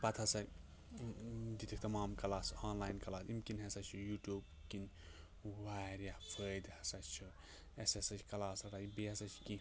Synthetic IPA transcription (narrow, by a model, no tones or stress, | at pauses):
pɐt̪ʰɐsɐ | d̪it̪ʰik̚ʰt̪ɐmaːmkɐlaːsaːnlaːjnkɐlaːd̪imkinɦɐsɐt͡ʃʰujuʈjuːb | kin | waːɾjapʰəːjd̪hɐsɐt͡ʃt͡ʃʰu | esesɐt͡ʃʰi̥kɐlaːsɾɐibiɐsɐt͡ʃʰi̥ki